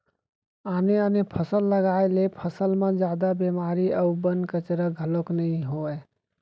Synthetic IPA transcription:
aneanepʰəsəlːəɡaelepʰəsəlmẽd͡ʒad̪abemaɾiəubənkət͡ʃɾəɡʱəloknəĩɦoe

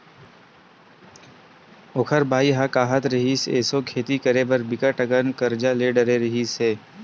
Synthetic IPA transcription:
ʊkʰəɾbaːiɦakaːɦət̪ɾɐɦiːsḛːsokʰeːt̪ikəɾeːbəɾbɪkəʈɐkənkɐɾd͡ʒaleːɖɐɾeɾɐɦiseː

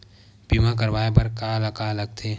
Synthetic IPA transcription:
biːmãk̬əɾʋaːepɐɾkalɐkaləɡ̚t̪ʰeː

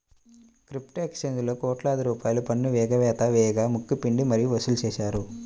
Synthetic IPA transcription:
kɾipʈeksend͡ʒlo̞ːkɔːʈlaːd̪iɾuːpaːjlupɐnːuʋɛːɡɐʋɛːt̪ɐʋɛːjɡaːmukːupiɳɖimɐɾijuʋɐsulut͡ʃɛːʃaːɾu

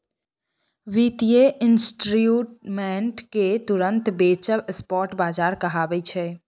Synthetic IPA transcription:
ʋit̪ijeʔɪnsʈɾjuːʈmẽːɳʈket̪ʊɾə̃nt̪beːt͡ʃəʋspɔːɾʈbaːd͡ʒaːɾkɐɦaːbeit͡ʃʰɛː

